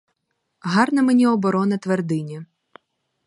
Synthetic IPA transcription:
ɦɑrnɐmenʲiɔbɔɾɔnɐt̪ʋerd̪ɪnʲɐ

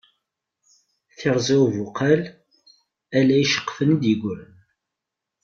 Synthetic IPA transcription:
θɪɾˤzæwvʊqʰæl | ælæjʃə̥qːfənid̪jəɡʷɾən

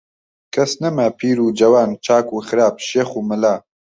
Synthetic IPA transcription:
kʰɐsnɛmapʰiːɾuːd͡ʒɐwaːnt͡ʃʰaːkuːxɨɾaːpʃeːxuːmɨlaː

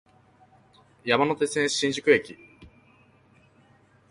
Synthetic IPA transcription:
jamano̞t̪e̞t͡sɨẽ̞ɕĩɲ̟d͡ʑɨkɯe̞kʲi

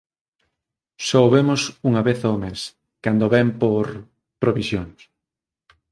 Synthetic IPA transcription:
soβemosuŋɐβeθoːmes | kand̪oβɛmpoɾ | pɾoβisjoŋs

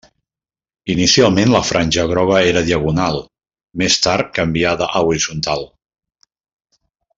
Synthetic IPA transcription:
inisialˠmenləfɾʔanʲʒəɣ̞ɾɔɣ̞əeɾəðiəɣunalˠ | mest̪aɾkəmbiaðəʔəuɾizunt̪alˠ

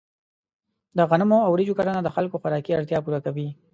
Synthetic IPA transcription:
d̪əɣanamoawɾid͡ʒokaɾanad̪əxalkoxaɾɑkiaɽt̪jɑpuɾakawi

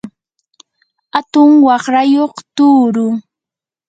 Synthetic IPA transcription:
at̪ʊŋwɑχɾajoχt̪uːɾʊŋ

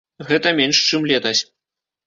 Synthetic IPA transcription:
ɣɛt̪ɐmʲɛnʂt͡ʂɨmlʲɛt̪ɐsʲ

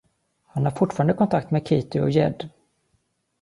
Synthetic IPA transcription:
hanhaɾfʊʈːfɑːɾand̪əkʰɔnt̪ʰak̚t̪meːkʰiːt̪ɪɔ̰jɛd̪

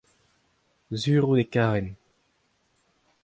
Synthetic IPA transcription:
zyːʁud̪ekaːʁɛn

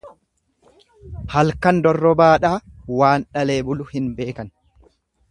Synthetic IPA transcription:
hɐlkɐnd̪ɔrːɔbaːᶑaːwaːnᶑɐle̞ːbʊlʊhɪnbe̞ːkɐn

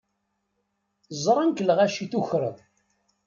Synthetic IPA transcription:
zˤɾˤənkəlʁæʃiθuçɾə̰ðˤ

